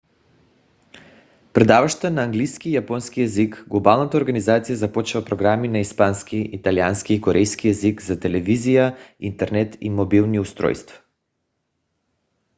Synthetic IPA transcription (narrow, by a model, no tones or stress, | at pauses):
pɾɛd̪avaʃt̪ənaːŋɡlijskiːjapɔnskijɛzikɡlˠobalˠnat̪aoɾɡanizat̪sijazapɔt͡ʃvapɾoɡɾaminaispanskiʔit̪alianskiːkɔɾʔɛjskijɛzikzat̪ɛlɛvizijaint̪ɛɾnɛt̪ḭmobilˠniust̪ɾɔ̰jst̪vḁ